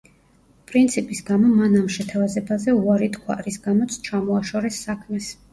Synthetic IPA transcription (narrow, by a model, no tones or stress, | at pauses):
pʼɾint̪sʰipʼisɡamɔmanamʃɛt̪ʰavazɛbazɛuaɾit̪kʰwa̰ɾisɡamɔt̪sʰt͡ʃʰamɔaʃɔɾɛsːakʰmɛs